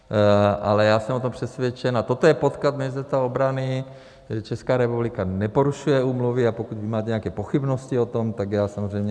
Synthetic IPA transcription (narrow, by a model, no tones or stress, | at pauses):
ʔa̰lɛjaːsɛmot̪̬ompr̥ɛsvjɛt͡ʃɛnat̪ot̪ojɛpot̪kat̪mɛst̪ɛt̪aobɾanɪ | t͡ʃɛskaːɾɛpublikanɛpoɾuʃujɛuːmluvɪapokuɟbɪmaːt̪ɛɲɛakɛːpoxibnosciot̪omt̪aɡjaːsamozrɛjmɲɛ